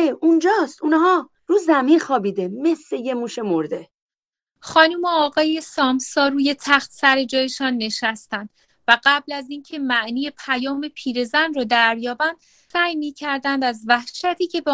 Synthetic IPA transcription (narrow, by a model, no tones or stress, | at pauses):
eund͡ʒɒːst̪unhɒː | ɾuːzæminxɒːbiːd̪emesːejemuːʃemoɾd̪e | χɒːnuːmoɒːɣɒːjesɒːmsɒːruːje̞t̪ʰæxt̪sæɾe̞d͡ʒɒːje̞ʃɒːnːe̞ʃæst̪ænd̪̥ | væɢæblæziːncʰe̞mæʔniːje̞pʰæjɒːme̞pʰiːɾe̞zænrɒːd̪æɾjɒːbænd̪̥ | sæːjmiːcʰæɾd̪ænd̪æzvæhʃæt̪ʰiːcʰe̞be